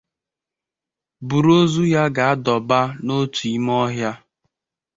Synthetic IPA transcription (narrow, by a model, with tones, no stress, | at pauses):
bu˨ɾo˦zu˦ja˦ɡa˨a˦dɔ˨ba˦no˦tu˨i˨˦m˦ɔ˦ɦja˦